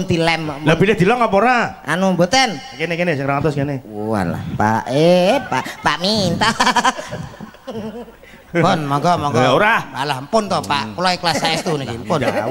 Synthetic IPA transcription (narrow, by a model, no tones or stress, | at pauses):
nt̪ilɛmlabidɛhd̪̥i̤lɔŋapoɾaa̰nubot̪ɛnkenekenesɪŋɾaŋat̪ɔskeneua̰la̰hpa̰ʔepaʔpaʔmint̪a | pʊnmɔŋkɔmɔŋkɔjauɾahalahmpʊnt̪ɔhpaʔkulaiklasaɛst̪unikimpʊn